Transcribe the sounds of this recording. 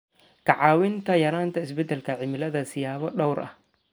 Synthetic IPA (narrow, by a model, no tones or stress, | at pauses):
kʰɑʕɑːwɪnt̪ʰɐjɐɾaːnt̪ʰɐɪsbɛd̪ɛlkʰɐʕɪmɪlɐðɐsɪjaːβɔɖɔwɾʔɐ̰h